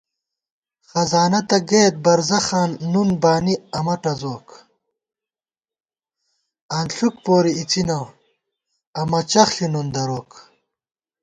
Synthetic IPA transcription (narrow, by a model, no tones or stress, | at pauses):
xɐzaːnɐt̪ɐɡeːt̪̚bɐɾzɐxaːnːunbaːniɐmɐʈɐzoːk | ɐnɬuk̚poːɾiit͡sinow | ɐmɐt͡ɕɐxɬinund̪ɐɾoːk